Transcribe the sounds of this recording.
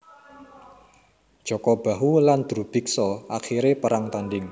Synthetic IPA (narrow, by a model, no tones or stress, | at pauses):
d̥ʒ̥ɔ̤kɔb̥a̤ɦuland̪̥ɾub̥i̤ksɔʔaxiɾepəɾaŋt̪anɖɪŋ